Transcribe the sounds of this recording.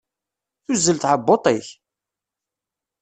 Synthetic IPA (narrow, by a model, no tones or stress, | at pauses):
θʊzːəlt̪ʕəbːot̪ˤɪç